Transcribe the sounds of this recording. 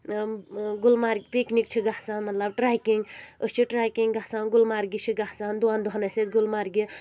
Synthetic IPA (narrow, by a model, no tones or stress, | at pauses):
ɡulmaːɾɡpiknik̚t͡ʃʰiɡahsaːnmɐt̪lɐb̚ʈɾaːjkiŋɡəst͡ʃʰiʈɾaːjkiŋɡɡahsaːnɡʊlmaːɾɡit͡ʃʰiɡahsaːnd̪uaːnd̪uɦɐnɐset̪ɡʊlmaːɾɡi